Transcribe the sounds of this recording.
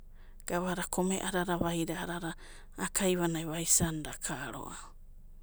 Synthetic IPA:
ɡ̥aβaɾakʰomḛʔaɾaɾaβajɾaːɾaɾaː | kʰajβanajβajsandakʰaɾo̰ʔa

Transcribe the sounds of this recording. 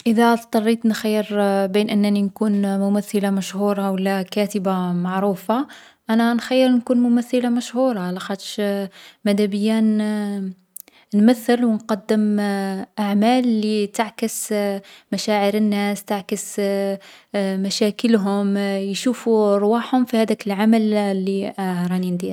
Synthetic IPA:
ʔəðæt̪t̪ˤːɑrˤːit̪nxajːəɾbinʔənːninkunmʊmæθːəlamæʃhuɾˤɑwəlːækæt̪əbamaʕɾufa | ʔænænxajːəɾnkunmʊmæθːəlamæʃhuɾˤɑlæxæt̪ʃmæd̪æbəjːæn | nmæθːəlwənqɑd̪ːəmʔaʕmælːit̪aʕkəsmæʃæʕəɾənːæst̪aʕkəs | mæʃækəlɦʊmjʃufuɾˤwaħhʊmfihæd̪ækəlʕamælːiɾˤɑnind̪i

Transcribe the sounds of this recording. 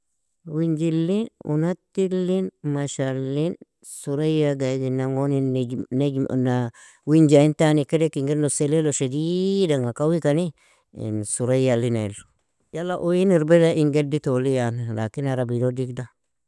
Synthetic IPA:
wiɲd͡ʒilːinṵnatilːinmaʃalːin | suɾajaɡadinaŋoninḛna | wiɲd͡ʒaintanikeɾekiŋɡenoseleloʃedidaŋakawikani | ḭnsuɾajalːinḛlo | jalːaʔojiniɾbedaʔiŋɡeditolijanlakinaɾabidodikda

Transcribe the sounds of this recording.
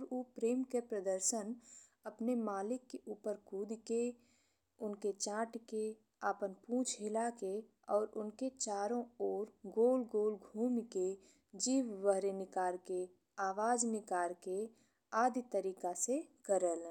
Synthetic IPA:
ɾoːpɾeːmkepɾəd̪əɾʃənəpnemaːlɪkːeʔuːpəɾkuːd̪ke | ʊnket͡ʃãːʈke | aːpənpũːt͡ʃʰɦɪlake | ɔːɾʔʊnket͡ʃaːɾõɔːɾɡoːlɡoːlɡʱuːmke | d͡ʒiːʋʋəɦɾenɪkaːɾke | aːʋaːd͡ʒnɪkaːɾke | aːd̪it̪əɾiːkasekəɾəl

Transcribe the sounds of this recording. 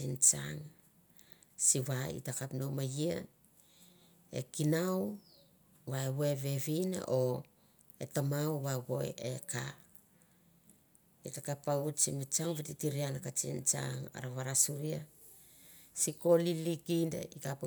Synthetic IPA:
int͡ʃa̰ŋ | siβaḭtakapno̞majia̰ | e̞̰kinaw | βaeβoeβe̞βina̰ʔo | e̞̰tamawβaβo̞ḛeka | itakapaut͡ʃimit͡ʃaŋβititiɾianakat͡ʃḭnt͡ʃa̰ŋa̰ɾaβaɾasuɾia | siko̞lilikinda̰ikap

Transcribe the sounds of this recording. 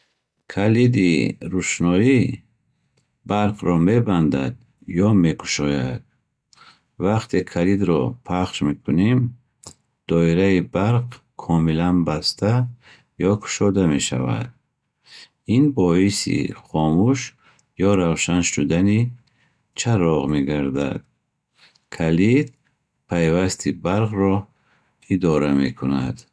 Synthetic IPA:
kʰalid̪iɾuʃnɔi | baɾqɾɔme̞band̪a̰d̪ | jɔme̞kʰu̥ʃɔjad̪̥̚ | vaqt̪ʰekʰalid̪ɾɔpʰaχʃmekʰunim | d̪̥ɔiɾaibaɾq | kʰɔmilanbast̪ʰa | jɔkʰu̥ʃɔd̪ame̞ʃa̰va̰d̪̚ | inbɔhisḭχɔmuʃ | jɔɾawʃanʃud̪ani | t͡ʃʰaɾɔʁmeɡaɾd̪a̰d̪̥̚ | kʰalid̪̚ | pʰajvast̪ʰibaɾqrɔ | id̪ɔɾame̞̰kʰuna̰d̪̥

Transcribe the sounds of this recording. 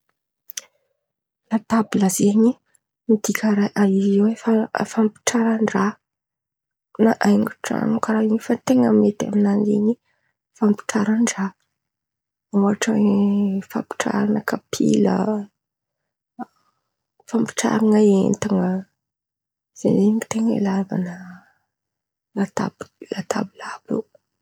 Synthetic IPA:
lad̪̥abiləzeɲi | mid̪ikʲʰəɾajʔaizewefafampi̥ʈ͡ʂaɾaɳɖ͡ʐa | naʔajŋuʈ͡ʂa̰nukaɾaiɲifat̪eŋəmet̪a̰minanḭɲi | fampi̥ʈ͡ʂaɾaɳɖ͡ʐa | oaʈ͡ʂaŋfa̰mpi̥ʈ͡ʂa̰ɾanəkapʰḭlə̰ | fampi̥ʈ͡ʂa̰ɾaŋəḛnt̪aŋə | z̥ḛneɲit̪eŋəḭlava̰nə | lat̪a̰blat̪ʰa̰bilab̥ṵ

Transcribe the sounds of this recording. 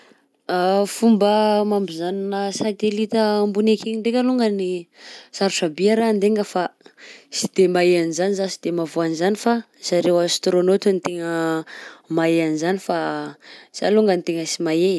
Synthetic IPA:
afumbəmambizaninəsat̪elit̪əmbunekʰeɲiɳɖ͡ʐekʲəluŋɡənisaɾuʈ͡ʂabiaɾand̪eŋɡəfasid̪̥emaeanizanizasi̥d̪emavoanizanifa | saɾewəst̪ɾonot̪anit̪eŋə | maeanizanifa | sa̰luŋɡənit̪eŋəsimae

